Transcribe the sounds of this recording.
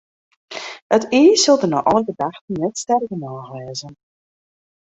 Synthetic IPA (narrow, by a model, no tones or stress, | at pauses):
əteːsɵlˠdəno̰ʔɔləɡədaxtənːɛtstɛrkənɔːɣlɛːzən